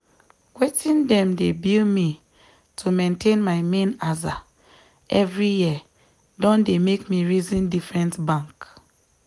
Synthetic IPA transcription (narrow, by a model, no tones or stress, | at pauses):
wetĩndɛ̃mdebilmi | tʰumẽntẽnmaɪmẽnaza | ʔɛvɹijiə | dɔ̃ndemekmiɹizĩndifɹɛ̃ntbãŋk